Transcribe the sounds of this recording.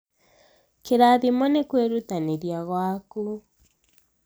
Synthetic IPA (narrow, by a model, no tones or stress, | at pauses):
keɾaðimɔnekweɾut̪aneɾjaɣwaku